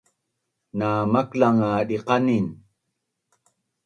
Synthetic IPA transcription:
naːmaklaŋaɗiqɑnin

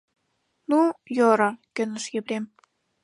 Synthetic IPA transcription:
nujoɾɑkø̆nə̆ʃjĕβɾem

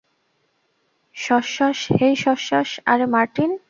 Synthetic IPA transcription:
ʃɔʃaʃhejʃɔʃaʃaɾmaɾʈin

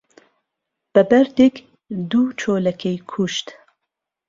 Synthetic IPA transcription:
b̥ɛbɛɾd̪ek | d̪uːt͡ʃʰoːlɛkʰejkʰuʃt̪

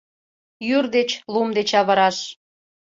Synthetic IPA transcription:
jyrd̪et͡ɕlumd̪et͡ɕɑβəɾɑʃ

